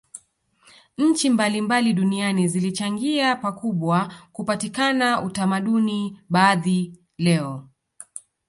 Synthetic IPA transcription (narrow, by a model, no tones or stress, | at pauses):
ɲ̩t͡ʃimbalimbaliɗunianizilit͡ʃaŋɡiapakuɓwakupatikanautamaɗuniɓaːði | lɛɔ